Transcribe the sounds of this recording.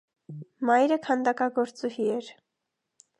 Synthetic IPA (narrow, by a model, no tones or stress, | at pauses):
mɑjɾəkʰɑnd̪ɑkɑɡɔɾt͡suhiɛɾ